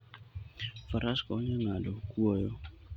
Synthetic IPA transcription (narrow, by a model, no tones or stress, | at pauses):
faɾaskɔɲaŋadɔkuɔjɔ